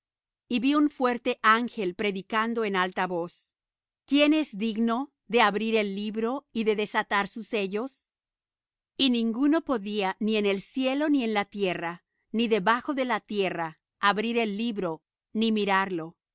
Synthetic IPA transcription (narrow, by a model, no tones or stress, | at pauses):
iβiuɱfwe̞ɾt̪e̞ʔaŋxe̞lpɾe̞ðikand̪o̞enalt̪aβo̞s | kje̞ne̞zd̪iɣno̞ | ðe̞aβɾiɾe̞lːiβɾo̞iðe̞ðe̞sat̪aɾsuse̞ʝo̞s | inĩŋɡuno̞po̞ðianiene̞lsje̞lo̞nie̞nlat̪je̞ra | niðe̞βaxo̞ðe̞lat̪je̞ra | aβɾiɾe̞lːiβɾo̞ | nimiɾaɾlo̞